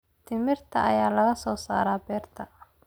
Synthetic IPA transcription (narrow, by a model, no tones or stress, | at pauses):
t̪ʰɪmɪrt̪ʰɐʔɐ̰jaːlɐɣɐsɔːsa̰ːɾaːbɛːrt̪ʰɐ